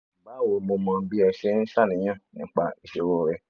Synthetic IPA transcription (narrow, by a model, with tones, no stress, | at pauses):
m̩˨ba˨˦wo˨mo˧mã˧˦bi˦ɛ˧ʃe˦n̩˦ʃa˦˨nĩ˨˦j̃ã˦˨nĩ˨˦k͡pa˧i˧ʃe˧ɾo˦˨ɾɛ˧